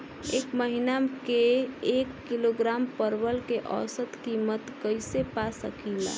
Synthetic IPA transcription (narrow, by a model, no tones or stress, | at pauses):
ekməɦinamkeekːiloɡɾampəɾbəlkeʔə̰ːsət̪kimət̪kəjsepasəkila̰